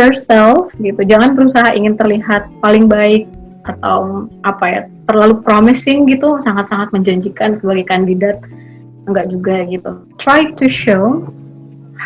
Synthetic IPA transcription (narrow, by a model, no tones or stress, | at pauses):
ɔsɛlfɡit̪ud͡ʒaŋanbəɾusaɦaʔiŋɪnt̪ərliɦat̪̚palɪŋbaɪk̚ | at̪a̰wʔapaja̰t̪ərlalupɾomɪsɪŋɡit̪usaŋat̪̚saŋat̪̚məɲd͡ʒaɲd͡ʒikansəbaɡajkandidat̪̚ | əŋɡaʔd͡ʒuɡaɡit̪ut̪ɾajtuʃo